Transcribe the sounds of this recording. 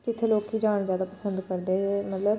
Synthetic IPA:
d͡ʒɪt̪ʰːeːloːkɦiːd͡ʒaːɳ̃zjaːd̪aːpəsənd̪kəɾd̪eːmət̪ləb

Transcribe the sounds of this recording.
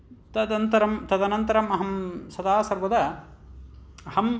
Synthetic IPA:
t̪ɐd̪ɐnt̪ɐɾɐmt̪ɐd̪ɐnɐnt̪ɐɾɐmɐɦɐmsɐd̪aːsɐɾʋɐd̪ɐ | hɐm

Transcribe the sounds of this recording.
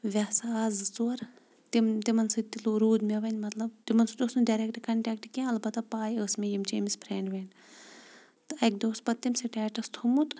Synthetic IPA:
ʋʲɐsaːzɨt͡suɐɾ | t̪imt̪imɐnsɨt̪iluɾuːd̪meʋɐnʲmɐt̪lɐbt̪imɐnsud̪oːsnɖɐɾek̚ʈkɐɳʈɛːk̚ʈkʲẽɐlbɐt̪ːɐpaːjəːsmejimt͡ʃeːmispʰɾeːɳɖʋen | t̪ɨɐkd̪oːspɐt̪ːimsiʈɛːʈɐst̪ʰumut̪

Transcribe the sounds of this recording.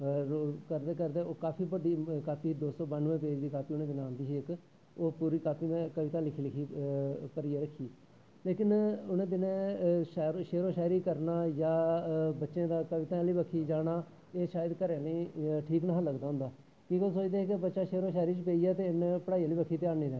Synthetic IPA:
oːkəɾd̪eːkəɾd̪eːoːkaːpʰiːbəɖiːkaːpʰiːd̪oːsɔːbənʋẽːpeːd͡ʒd̪iːkaːpʰiːʊnẽːd̪ɪnãːnd̪iːɦeːɪk | oːpuːɾiːkaːpʰiːnẽːkəʋɪt̪ãːlɪkʰiːlɪkʰiːpəɾiːeːɾəkʰːiː | leːkɪnʊnẽːd̪ɪnẽːʃːɾʃeːɾoːʃɛːɾiːkəɾnaːjaːbətːʃẽːd̪aːkəʋɪt̪ãːliːbəkʰːiːd͡ʒaːnaː | eːʃaːjəd̪kəɾeːnĩːʈʰiːknaːləɡd̪aːɦʊ̃nd̪aː | kiːkolsoːt͡ʃd̪eːeːkebətːʃaːʃeːɾõːʃɛːɾiːt͡ʃpeːiːɛːt̪eːɪnpəɽaːiːliːbəkʰiːt̪ɪjaːɾniːd̪ɾɛːnː

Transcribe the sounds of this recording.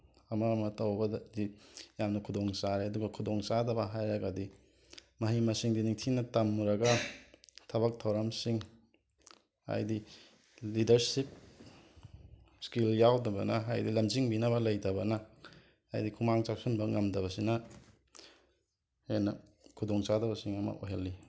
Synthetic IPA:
ɐmɐːmɐtɐwbɐddijamnɐkʰudoŋsaɾeɐduɡɐkʰudoŋsadɐbɐɦajɾɐɡɐdi | mɐɦimɐsiŋdiniŋtʰinɐtɐmːuɾɐɡɐ | tʰɐbɐk̚tʰɐwɾɐmsiŋ | a̰jdi | lidɐɾsip̚ | skiljawdɐbɐnɐɦajdilɐmziŋbinɐβɐlɐjdɐbɐnɐ̰ː | jdikʰumaŋt͡ʃak̚sunbɐŋɐmdɐβɐsinɐ | henɐ | kʰudoŋsadɐbɐsiŋɐmɐ̰ʔoɦelːi

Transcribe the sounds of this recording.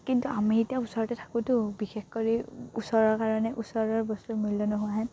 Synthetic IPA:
kintuamietijausɔɹɔtɛtʰḁkʊtʊbixexkoɹiusɔɹɔɹkaɹɔnɛʔusɔɹɔɹbɔstumilːɔnɔɦʊaɦɛ

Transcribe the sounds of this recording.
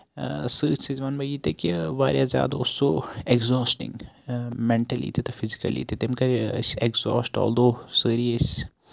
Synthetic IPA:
səːʈsizʋanbɐjit̪ekiʋaːɾjazʲja̰ːd̪aosoːeɡzɔːsʈɪ̰̃ŋmɛ̃ɳʈɐlḭːt̪et̪ɐfɪzikɐ̰lḭːt̪et̪emkɐɾekzɔ̰ːsʈɔ̰ːld̪oːsəːɾiəs

